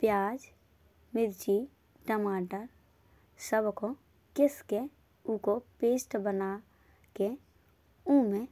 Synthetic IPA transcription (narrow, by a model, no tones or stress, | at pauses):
pjaːd͡ʒ | mɪɾd͡ʒi | ʈəmaːʈəɾ | səbko | kɪske | ũkopeːsʈbəna | ke | ũːmẽ